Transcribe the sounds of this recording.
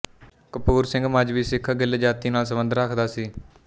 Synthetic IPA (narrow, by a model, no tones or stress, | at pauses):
kəpuːɾsɪ̃ŋɡməd͡ʒʋiːsɪkʰːaɡɪlːed͡ʒaːt̪iːnaːls̬əbənd̪əɾəkʰd̪aːsiː